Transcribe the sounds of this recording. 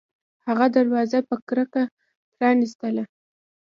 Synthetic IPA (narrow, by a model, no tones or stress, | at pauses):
haɣad̪aɾwɑzapəkɾəka | pɾɑnist̪əla